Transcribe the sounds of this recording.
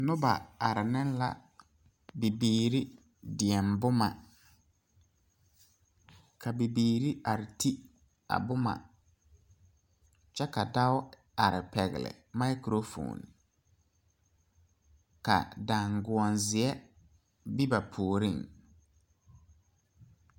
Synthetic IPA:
nʊ˦ba̰˨a˨ɾɪ˨nɪ˦n˦la̰˨ | bi˨biː˨˦˨ɾi˦ | dɪ˨ɛ˨mbʊ˦ma˨ | kʰa˨bi˨biː˨ɾi˦a˨ɾɪ˨tʰi˦ | a̰˨bʊ˦ma̰˨ | t͡ʃɛ˦ka˨da˦ʊ˦ | a˨ɾɪ˨pɛ˨ɣɪ̰˨lɪ̰˨ma˦jkɾo˦fo̰ː˨n | ka̰˨da˨ŋɡʊ˨ɔ˨nzɪ˨ɛ˦ | bi˦ba˨pʰuː˨ɾi˦˨ŋ

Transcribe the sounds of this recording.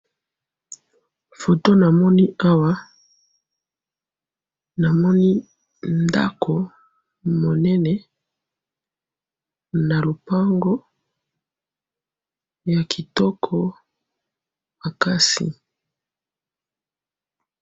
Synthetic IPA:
fo˨to˦na˨mɔ˦ni˦a˦wa˦ | na˨mɔ˦ni˦ | nda̰˦kʰo˨ | mo˨nɛ˦nɛ˨ | na˨lo˨pa˦ŋɡo˦ | ja˨kʰi˨tɔ˦kʰɔ˦ | ma˨ka˦sḭ˨

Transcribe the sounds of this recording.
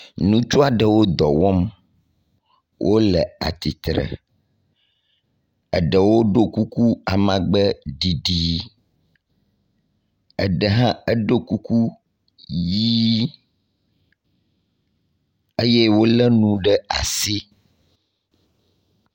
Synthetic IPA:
nũ˦t͡ʃu˦a˨ɖə˨wo˦d̪ɔ˨wɔ˦m | wʔo˦lə˨a̰˨t̪i˨t̪ɾə̰˨ | ə˨ɖə˨wo˦ɖo˦ku˦ku˦a˨mã˨ɡ͡bə˦ɖi˨ɖi˦ | ə˨ɖə˨ɦã˦ə˦ɖo˦ku˦ku˦ | ji˦ | e˦jɛ˦wo˦lə˦nũ˦ɖə˦a̰˨si˦

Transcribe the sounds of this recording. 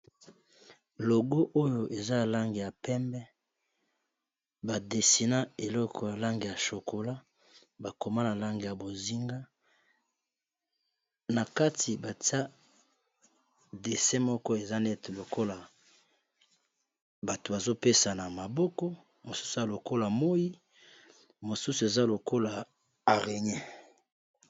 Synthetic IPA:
lo˨ɡo˦ʔo˦jo˦ʔe˨za˦a˨la˦ŋɡe˨ja˨pɛ˦mbɛ˦ | ba˨de˨si˨na˦e˨lɔ˦kʰɔ˨ja˨la˦ŋɡe˨ja˨ʃo˨ko˨la˦ | ba˨ko˨ma˦na˨la˦ŋɡe˨ja˨bo˨zi˦ŋɡa˦ | na˨ka˦tʰi˨ba˨ti˦a˦ | de˨sɛ˦mɔ˦kɔ˦e˨za˦ne˦tlo˨ko˦la˨ | ba˨to˨ba˨zo˦pe˦sa˨na˨ma˨bɔ˦kɔ˦ | mo˨su̥˦su˨a˨lo˨ko˦la˨mo˦i˦ | mo˨su˦su˨e˨za˦lo˨ko˦la˨ | a˨ʁe˨ɲɛ˦

